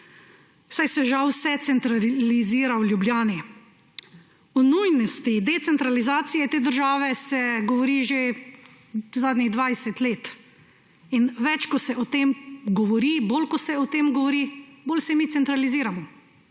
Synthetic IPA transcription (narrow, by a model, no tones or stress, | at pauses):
sajsɛʒawsɛt̪sɛnt̪ɾaliziːɾawljubljaːni | ɔnujnɔst̪id̪ɛt̪sɛnt̪ɾalizaːt̪sijɛt̪eːd̪əɾʒaːʋɛsɛɡɔʋɔɾiːʒe | zaːd̪nʲiɣd̪ʋajsɛt̪leːt̪ | inʋɛt͡ʃkɔsɛʔɔt̪emɡɔʋɔɾibolkɔsɛɔt̪eːmɡɔʋɔɾiboːlsɛmit̪sɛnt̪ɾaliziːɾamɔ